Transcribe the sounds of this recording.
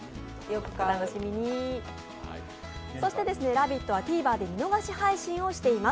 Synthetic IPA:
jokɯ̟̥katano̞ɕimʲiɲ̟i | so̞ɕi̥t̪e̞d̪e̞sɨne̞ɾabʲit̪ːo̞βat̪ʲiːbaːd̪e̞mino̞ɡaɕihaiɕĩɰ̃o̞ɕi̥t̪e̞ima

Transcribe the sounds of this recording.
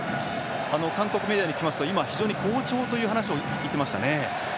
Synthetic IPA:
ano̞kãŋko̞kɯ̟med̪ijaɲ̟ikʲimasɨ̥t̪o̞imaçiʑo̞ːɲiko̞ːt͡ɕo̞ːt̪o̞jɯ̟ːɦanaɕio̞ | it̪ːemaɕi̥t̪a̰ne̞

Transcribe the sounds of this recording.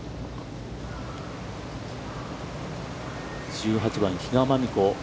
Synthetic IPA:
d͡ʑɨːɦat͡ɕibãɲçiɡamamʲiko

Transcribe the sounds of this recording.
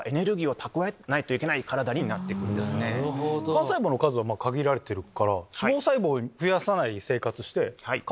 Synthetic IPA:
e̞ne̞ɾɯ̟ɡʲiːo̞t̪ʰakɯ̟βaenait̪o̞ike̞naikaɾad̪aɲ̟iɲinat̪ːekɯ̟̃nd̪esɨned̪kãsaiboːno̞kazɨβamaːkaɡʲiɾaɾe̞t̪e̞ɾɯ̟kaɾasimoːsaibo̞ːɸɯ̟jasanaise̞ːkat͡sɨɕi̥t̪e̞hai

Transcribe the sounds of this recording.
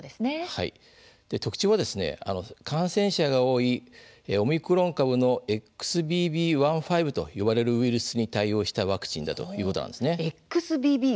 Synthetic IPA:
d̪esɨneha̰ḭ | d̪̥e̞t̪o̞kɯ̥t͡ɕoβad̪e̞sɨne̞̰a̰no̞kʰãɰ̃sẽ̞ɰ̃ɕaɡao̞ːieo̞mʲikɯ̟ɾõ̞ŋkaβɯ̟no̞ekːɯ̥sɨbʲiːbʲiːβãɰ̃ɸaibɯ̟t̪o̞̰joβaɾe̞ɾɯ̟iɾɯ̟sɨɲ̟it̪aio̞ːɕi̥t̪aβakɯ̟̥t͡ɕĩnd̪a̰t̪o̞̰jɯ̟ːko̞t̪ona̰nd̪e̞sɨne̞ekɯ̟sɨbʲiːbʲiː

